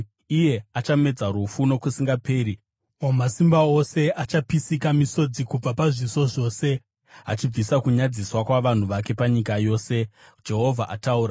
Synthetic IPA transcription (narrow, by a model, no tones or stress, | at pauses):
ije̞at͡ʃame̞d͡zaɾufuno̞kusiŋɡape̞ːɾi | omasimbao̞se̞ʔat͡ʃapisikamiso̞d͡zikub͡vapaʐiso̞ʐo̞ːse̞ | a̰t͡ʃib͡visakuɲad͡ziswakwaʋan̤uʋake̞paɲikajo̞ːse̞ | d͡ʒe̞ɦo̞vʱaʔa̰tauːɾa